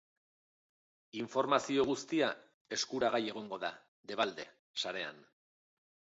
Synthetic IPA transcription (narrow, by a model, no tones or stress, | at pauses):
iɱfo̞ɾmasio̞ɣ̞ust̪ia | e̞skuɾaɣ̞aje̞ɣ̞o̞ŋɡo̞ða | d̪e̞β̞ald̪e̞ | saɾe̞a̰n